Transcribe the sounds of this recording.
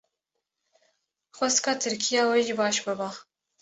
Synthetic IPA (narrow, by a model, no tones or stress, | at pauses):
xʷɛst̪kɑːt̪ʰɨɾkʰijɑːwɛʒibɑːʃbɨbɑː